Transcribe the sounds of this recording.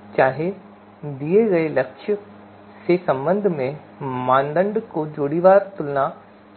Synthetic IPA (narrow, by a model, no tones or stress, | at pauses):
t͡ɕaːɦe | d̪iːeɡɐelɐkʃʰɪ | seːsɐ̃mbə̃nd̪ʱmẽ | mãːnd̪ə̃ɳɖkod͡ʑoːɽiʋaːɾt̪ʊlnã